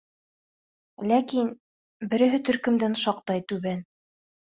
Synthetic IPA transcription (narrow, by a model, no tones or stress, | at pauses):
lækin | bɘ̆ɾɘ̆ɦɘt̪ɵ̆ɾkɵ̆md̪ænʃɑqt̪ɑjt̪ʉβæn